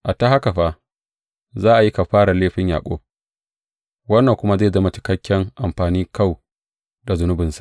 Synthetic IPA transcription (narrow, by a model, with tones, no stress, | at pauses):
ʔa˨ta˦ha˦ka˨ɸa˦ | zaː˦ʔa˨ji˦ka˨ɸaː˦ɽa˨leː˦ɸɪ˦ɲja̰ː˨kʷʼo̰ː˦ | wɐ˦nːɐ˨ŋkʷʊ˦ma˦zeː˦˨zɐ˦ma˨t͡ʃɪ̥˦kɐ˦kʲːɛ˦ŋʔa˨mɸaː˨niː˦ka˦w | da˨zʊ˨nʊ˦bɪ˨nsḁ˨ʔ